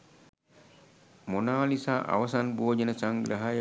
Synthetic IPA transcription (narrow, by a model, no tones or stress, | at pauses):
monalisaːʔa̰ʋɐsanbuoːd͡ʒenəsaŋɡɾaɦaj